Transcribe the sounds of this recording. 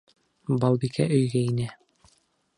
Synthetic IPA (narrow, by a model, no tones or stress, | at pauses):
bɑlˠbikæʔɵ̆jɡæinɘ